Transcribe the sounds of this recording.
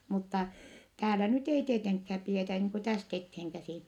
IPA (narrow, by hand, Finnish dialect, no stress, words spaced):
mutːɑ tæːlæ nyt ei tieteŋkhæːp pietæ niːŋ ku tæst etheːŋkæsiˑn